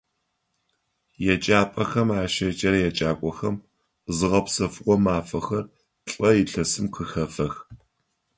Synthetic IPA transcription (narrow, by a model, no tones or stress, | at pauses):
jɛt͡ʃʼaːpʼɐxɐmaːʃɐt͡ʃʼɐɾɐjɛt͡ʃʼaːkʷʼɔxɐm | zɨʁɐpsɐfɨqʷɔmaːfɐxɐr | ɬʼɐjɪɬɐsɨmqʰəxɐfɐx